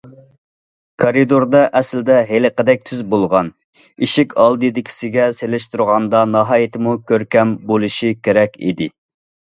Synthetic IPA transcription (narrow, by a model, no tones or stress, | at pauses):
kʰɑɾid̪oɾd̪ɑʔɛsld̪ɛɦeləqəd̪ɛk̚ʲt̪ʰyzbolˠʁɑn | iʃɪkʲʰɑlˠd̪ɨd̪ɪkʲʰi̥sɪɡʲɛselɪʃt̪uɾʁɑnd̪ɑnɑɦɑːjit̪ʰɪmukʲʰøɾkʲɛmbolˠɨʃikʲʰeɾɛkʲʰḭd̪ɪ